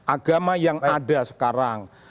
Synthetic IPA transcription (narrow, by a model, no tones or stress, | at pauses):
ʔaɡ̥amajaŋaɖa̤sə̥kaɾaŋ